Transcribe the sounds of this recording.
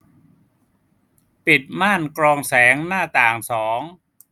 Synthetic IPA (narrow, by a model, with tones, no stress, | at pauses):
pi˨˩t̪̚maː˥˩nkɾɔː˧ŋsɛː˩˦ŋnaː˥˩t̪aː˨˩ŋsɔː˩˦ŋ